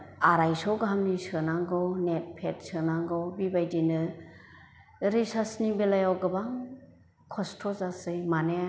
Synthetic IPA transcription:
aɾajsɔɡɦamnisɯnaŋɡɔwnet̚pʰet̚sɯnaŋɡɔwbibajdinɯ | ɾisasnibelajawɡɯbaŋ | kʰɔstʰɔzasɯjmane

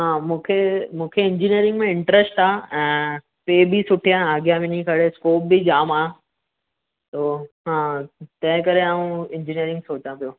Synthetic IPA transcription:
ɦãːmũːkʰemũːkʰeɪ̃ɲd͡ʑinijəɾɪ̃ŋɡmẽɪ̃ɳʈɾəsʈaːɛ̃ː | peːbʱisʊʈʰijãaːɡjabinĩkʰɐɽeskoːp̚bid͡ʑaːmaː | t̪oːɦãːt̪ɐ̃ɦɪ̃kɐɾeaːũɪ̃ɲd͡ʑinijəɾɪ̃ŋɡsoːt͡ɕapijoː

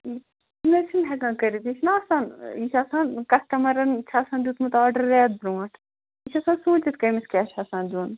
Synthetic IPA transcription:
nɐt͡ʃʰimɦɛɡãːkɐɾid̪it͡ʃʰnaːsaːniʃʰʲaːsaːnkɐsʈɐmɐɾɐnt͡ʃʰaːsaːnd̪uːt̪mut̪aːɾɖɐɾːɛːt̪̚bɾũːɐʈʰ | it͡ʃʰasãːnsũːt͡ʃit̪kɐjmiskʲɛːt͡ʃʰaːsãːnd̪uːn

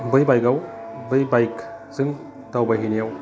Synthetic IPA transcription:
bɯjbajkawbɯjbajkzɯŋ | tawbajɦinijaw

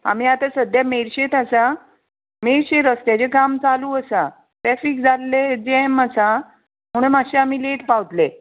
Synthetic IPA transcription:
a̰m̤iːat̪asəd̪jameɾɕet̪asa | meɾɕeɾəst̪jat͡ɕekamt͡saluːəsa | t̪ɾɛfik̚d͡zʱalːed͡ʑeməsa | m̤əɽ̃umaɕeamiːleʈpaʋt̪le

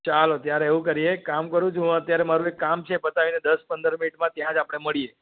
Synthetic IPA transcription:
t͡ʃalot̪jaɾeeʋũkəɾiekamkəɾũt͡ʃʰɦũət̪jaɾemaɾũekːamt͡ʃʰebət̪aʋined̪əspənd̪əɾminiʈmãt̪jãd͡ʒapəɽ̃eməɭie

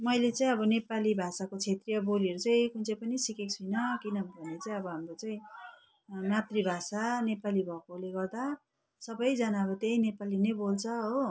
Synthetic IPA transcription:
mʌjlet͡sãĩʌbʌnepalibʱasakot͡sʰet̪rijʌboliʌɾut͡saĩkunt͡sʌjpʌnisikekt͡sʰujnʌkinʌbʱʌnːet͡saĩʌbʌɦamrot͡saĩ | nat̪ribʱasanepalibʱʌkoleɡʌrd̪a | sʌbʌjd͡zʌnaʌbʌt̪eĩnepalinʌjbolt͡sʰʌɦo

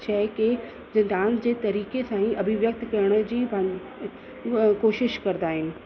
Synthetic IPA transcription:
t͡ɕʰɛːke | zɐ̃nd̪aːnd͡ʑeːt̪ɐɾiːkesãːĩʔɐbʱɪʋjɐk̚t̪kɐjəɽ̃ə̆d͡ʑiːbʱɐ | koːʃɪʃkɐɾnd̪aːɦɪnɪ̆

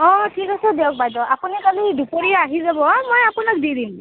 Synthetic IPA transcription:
ɔ̃tʰikasɛdɛɔk̚bajdɔʔapunikalidupoɹiaaɦizabɔmojapunak̚didim

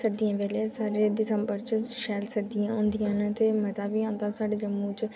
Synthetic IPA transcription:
səd̪ijãːʋeːleːsaːɾeːd̪ɪsə̃mbəɾt͡ʃɪʃɛːlsəd̪ijãːõːnd̪ijãːnt̪eːməzaːbiãːnd̪asaːɖeːd͡ʒəmːuːt͡ʃ

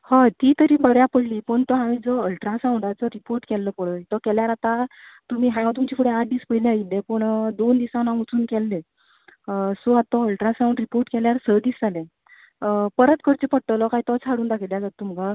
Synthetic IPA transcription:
hɔt̪iːt̪əɾiːbəɽjapəɽ̤liːpəɳt̪ɔɦamid͡zɔəlʈɾasãwɳɖad͡zɔɾipoɾʈkɛlːəpəɭəit̪ɔkɛljaɾat̪at̪um̤iːɦãjãt̪̬umt͡ɕifʰuɽeat̪̚d̪iːspəileailːẽpəɳd̪ond̪isãnãɡut͡suːnkɛlːe | soat̪ɔəlʈɾasãw̃ɳɖɾipoɾʈkɛljaɾsəd̪iːsd͡zalẽ | pəɾət̪kəɾt͡ɕepəɽ̚ʈːəlɔkaɦit̪ɔt͡sʰaɽuːnd̪akʰiljad͡zat̪ːuməɡa

